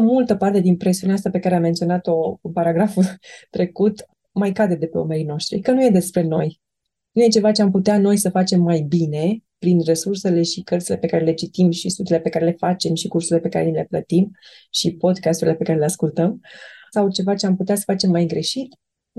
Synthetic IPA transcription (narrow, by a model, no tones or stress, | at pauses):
mult̪əpart̪e̞d̪inpɾe̞siuneaast̪ape̞kaɾeamːent̪sʲio̞nat̪o̞paɾaɡɾaft̪ɾe̞kut̪ | majkad̪e̞d̪e̞pe̞ome̞ɾino̞ʃt̪ɾḭkənuje̞d̪e̞spɾe̞no̞j | nuje̞t͡ʃe̞vat͡ʃe̞amput̪eano̞jsəfat͡ʃe̞mːajbine̞pɾinre̞surse̞le̞ʃikərt̪sile̞pe̞kaɾe̞le̞t͡ʃit̪imʃist̪ut̪ile̞pe̞kaɾe̞le̞fat͡ʃe̞mʃikursuɾile̞pe̞kaɾenile̞plət̪im | ʃipo̞d̪kast̪uɾile̞pe̞kaɾe̞le̞askult̪əmsawt͡ʃe̞vat͡ʃe̞amput̪easə̥fat͡ʃe̞mːajɡɾe̞ʃit̪